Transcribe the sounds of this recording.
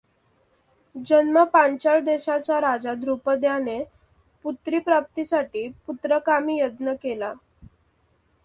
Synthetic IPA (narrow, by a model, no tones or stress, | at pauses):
d͡ʑənməpaɲt͡ɕaɭd̪eɕat͡ɕaɾad͡zad̪ɾupəd̪jane | put̪ɾiːpɾap̚t̪isaʈiːput̪ɾəkamiːjəd̪nəkela